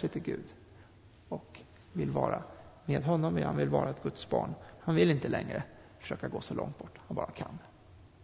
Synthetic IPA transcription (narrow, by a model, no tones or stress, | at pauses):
ɪt̪ʰɪɡʉ̟ːd̪ | ɔk | vɪlːvɑːɾameːd̪ɦɔnːɔmvɪhanvɪlvɑːɾaɛt̪̚ɡɵt̪sbɑːɳhanvɪlɪnt̪əlɛŋɾə | fœ̥ʂøːkaɡoːsɔlɔ̰ŋt̪̚bɔʈːhanbɑːɾakʰanː